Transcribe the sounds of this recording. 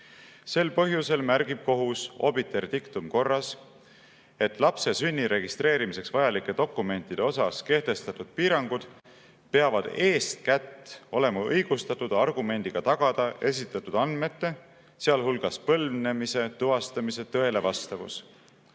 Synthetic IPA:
se̞lpɤɦjuse̞lmærɡ̥ib̥̚ko̞ɦuso̞̰bit̪ːˑe̞rt̪ikt̪umko̞rːɑs | e̞t̪ːˑlɑpse̞synʲːiɾe̞ɡ̥ist̪re̞ːɾimise̞ksvɑjɑlikːˑe̞d̪̥o̞kːˑume̞nt̪ːˑid̪̥e̞o̞sɑske̞ht̪e̞st̪ɑt̪ˑud̪̥piːɾɑŋɡ̥ud̪̥ | pe̞ɑvɑd̪̥e̞ːst̪kæt̪ːo̞le̞mɑɤjɡ̥ust̪ɑt̪ːˑud̪̥ɑrɡ̥ume̞nd̪̥iɡ̥ɑt̪ɑɡ̥ɑd̪̥ɑe̞s̬it̪ːˑɑt̪ːud̪ɑnd̪me̞t̪ːe̞ | seɑlɦulɡ̥ɑspɤlne̞mise̞t̪uɦɑst̪ɑmise̞t̪ø̞e̞le̞vɑst̪ɑvṵs

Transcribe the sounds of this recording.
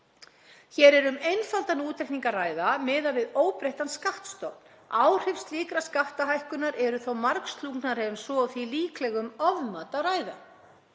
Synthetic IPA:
çɛɾɛɾʏmejnfalt̪anuːt̪ʰːɛkniŋkaraːjðamɪːðavɪðoːwpɾejht̪anskaft̪st̪owt̪n | aːwr̥ɪfsliːkɾaskaht̪aɦajhkʏnaɾɛɾʏθowmaɾkst̪luknaɾ̥ɛvʏmsɔθiliːklɛɣʏmɔvmaːt̪araːjða̰

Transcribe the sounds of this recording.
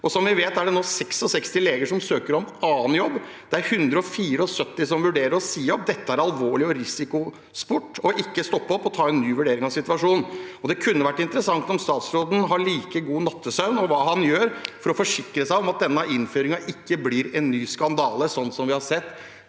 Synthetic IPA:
ɔsɔmʋɪʋeːt̪æɖɛnoːsɛksɔsɛkst̪ɪleːɡəʂɔmsøːkəɾɔmɑːnjɔbː | d̪̥ɛæɾhʉnd̪ɾəɔfiːɾəɔsœt̪ːɪsɔmʋʉɖeːɾəɾɔsiːəɔp̚d̪ɛt̪ːəæɾɑlʋoːɭɪɔɾɪsɪkʊ | spʊʈːɔʔɪkːəst̪ɔpːɔpːɔt̪ʰɑːɛnːyːʋʉɖeːɾɪŋɑʋsɪt̪ʋɑʂuːnɔd̪ɛkʰʉnːəʋæʈːɪnt̪əɾəsɑŋt̪ɔmst̪ɑːt̪sɾoːd̪n̩ɦɑɭiːkəɡuːnɑt̪ʰːəsɑʉnɔʋɑːɦɑnjøːɾfɔɾɔfɔʂɪkːɾəsæɪɔmɑt̪̚d̪ɛnːəʔɪnføːɾɪŋɑʔɪkːəblɪɾɛnːyːskɑnd̪ɑːləsɔnːsɔmʋɪhɑɾsɛt̪ː

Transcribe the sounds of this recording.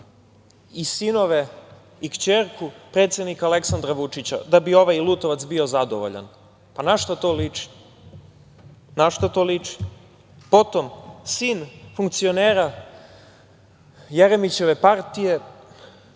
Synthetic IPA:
isino̞ʋe̞ | ikt͡ɕeɾkupɾe̞t̪sjed̪nikaleksand̪ɾaʋut͡ʂit͡ɕa̰d̪abio̞ʋajilˠut̪oʋat̪sbio̞zad̪o̰ʋo̰ʎa̰n | panaʃt̪ot̪oːlit͡ʂi̥ | naʃt̪ot̪oːlit͡ʂi̥ | po̞t̪o̞msiːnfuŋk̚t̪sio̞neːɾa | jeɾemit͡ɕe̞ʋe̞paɾt̪ije̞

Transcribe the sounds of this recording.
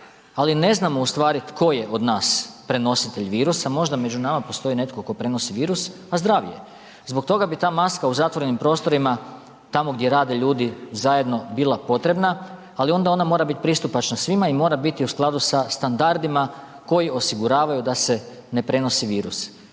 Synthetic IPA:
aline̞znamo̞ust̪ʋaːɾit̪ko̞je̞ʔo̞d̪naːspɾe̞no̞sit̪e̞ʎʋiːɾusamo̞ʒd̪ame̞d͡ʒunamapo̞st̪o̞ine̞t̪koko̞pɾe̞no̞siʋiːɾus | azd̪ɾaʋjḛ | zbok̚t̪o̞ɡabit̪aːmaskauzat̪ʋo̞ɾe̞nimpɾo̞ːst̪o̞ɾima | t̪amo̞ɡd̪jeɾaːd̪e̞ʎuːd̪izaje̞d̪no̞bilˠapo̞t̪ɾe̞bnaː | lio̞nd̪ao̞namo̞ːɾabit̪̚pɾist̪upat͡ʃnasʋimaimo̞ːɾabit̪iusklˠad̪usast̪and̪aɾd̪ima | ko̞jio̞siɡuɾaːʋajud̪ase̞ | ne̞pɾe̞no̞siʋiːɾus

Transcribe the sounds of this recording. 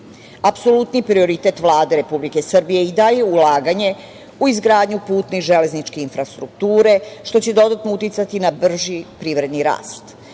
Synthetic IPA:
apso̞lut̪nipɾio̞ɾit̪e̞t̪ʋlˠaːd̪e̞ɾe̞publike̞sr̩bije̞id̪aje̞ulaːɡaɲe̞ | uizɡɾaːd̪ɲupuːt̪niʒele̞znit͡ʃke̞infɾast̪ɾuk̚t̪uːɾe̞ʃt̪o̞t͡ɕe̞d̪o̞d̪at̪nout̪it̪sat̪inabr̩ʒipɾiʋɾe̞d̪niɾa̰ːst̪

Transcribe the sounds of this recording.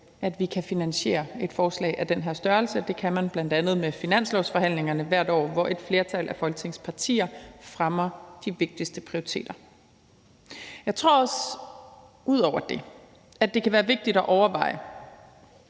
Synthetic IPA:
æd̥ʋikʰæfinænɕe̝̰ːɐe̝d̥fɒːslɛ̰ɪʔæd̥enɦæɐ̰sd̥ɶɐlsəd̥e̝kʰæmænb̥lænd̥ænð̩ˠmefinæn̰slɒʊsfɒ̽ɦæn̰le̝ŋɐnəʋæɐ̰d̥ɒ̰ːʋɒʔe̝d̥fle̝ɐt͡sʰæl̰ʔæfɒ̽lɡ̥ət͡sʰe̝ŋspʰɑ̈t͡sʰḭːɐfʁamɐd̥iʋe̝ɡ̥̚d̥isd̥əpʰʁioʁit͡sʰe̝̰ːd̥ɐ | jɑ̈ɪt͡sʰʁo̝̰ɐ̰ɒ̽s | uð̞̰ˠɒʊ̰ɐd̥e̝ | æd̥e̝kʰæʋæːɐʋe̝ɡ̥̚d̥id̥ɒʔɒʊɐʋɑ̈ɪ̰ə

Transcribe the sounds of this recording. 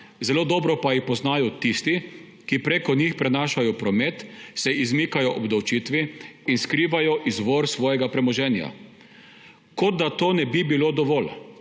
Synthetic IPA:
zɛloːd̪ɔbɾɔpajixpɔznaːjɔt̪ist̪i | kipɾeːkɔnixpɾɛnaːʃajɔpɾɔmɛt̪sɛʔizmiːkajɔʔɔbd̪awt͡ʃit̪ʋiinskɾiːʋajɔʔizʋɔːɾsʋɔːjɛɡapɾɛmɔʒɛːnja̰ | kɔd̪d̪at̪oːnɛbibiloːd̪ɔʋɔːl

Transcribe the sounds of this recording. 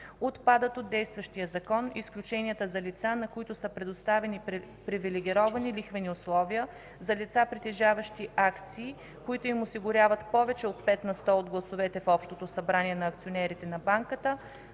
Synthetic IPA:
ot̪pad̪ət̪od̪ːɛjst̪vəʃt̪ijəzɐkɔnisklʲut͡ʃɛniət̪əzɐlit̪sanɐkoit̪ʊsəpɾɛd̪ost̪avɛni | pɾivilɛɡ̟ʲiɾɔvɐnilixvɛnioslˠɔvijə | zɐlit̪sapɾit̪ɛʒavəʃt̪iʔakt̪siː | koit̪ʊimʊsiɡʊɾʲavɐt̪pɔvɛt͡ʃɛot̪̚pɛt̪nɐst̪ɔod̪ɡlˠɐsovɛt̪ɛfɔpʃt̪ot̪osɐbɾaniɛnɐːkt̪sionɛɾit̪ɛnɐbaŋkət̪ə

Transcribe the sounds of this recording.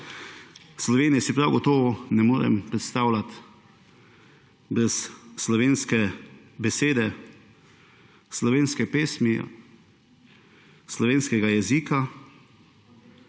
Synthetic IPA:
slɔʋeːnijɛsipɾawɡɔt̪ɔːʋɔnɛmoːɾɛ̰mpɾɛt̪st̪aːwlat̪ | bɾɛsːlɔʋeːnskɛ | bɛseːd̪ɛ | slɔʋeːnskɛpeːsmḭ | slɔʋeːnskɛɡajɛziːka

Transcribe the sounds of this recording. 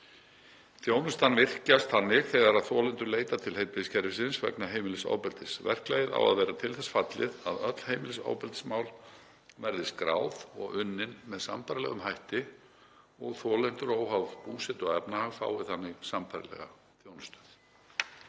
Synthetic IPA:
θjownʏst̪anvɪr̥cast̪θanːɪɣθɛɣaɾaðθɔːlɛnt̪ʏɾleːjt̪at̪ʰɪlhejt̪ɪɪscʰɛɾvɪsɪnsvɛ̰knaɦeːjmɪlɪsa̰ːwpɛlt̪ɪsvɛ̰r̥klaːjɪða̰wa̰ðvɛːɾat̪ʰɪlθɛsfat̪lɪðaðœt̪l̥hejmɪlɪsa̰ːwpɛlt̪ɪ̥smawl | vɛɾðɪskɾa̰ːwð̥ɔ̰ɣʏnːɪnmɛðsampaɾɪlɛ̰ɣʏmhajht̪ɪ | ɔɣθɔːlɛn̥t̪ʏɾoːwɦavpuːsɛt̪ɔɣɛpnahaɣfa̰ːwɪθanːɪɣsampaɾɪ̰lɛ̰ɣa̰ | θjownʏst̪ḁθ

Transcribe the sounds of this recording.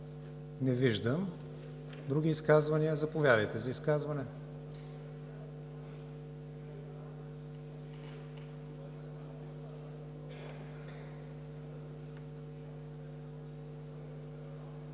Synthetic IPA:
nɛviʒd̪əm | d̪ɾuɡ̟iːskazvɐniəzɐpovʲjad̪əjt̪ɛzɐiskazvɐnɛ

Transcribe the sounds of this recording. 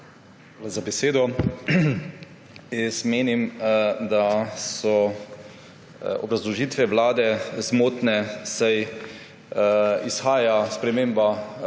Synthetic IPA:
alazabɛseːd̪ɔ | jɛst̪meːnimd̪asɔ | ɔ̰bɾazlɔʒiːt̪ʋɛʋlaːd̪ɛzmoːt̪nɛsaj | isxaːjaspɾɛmeːmba

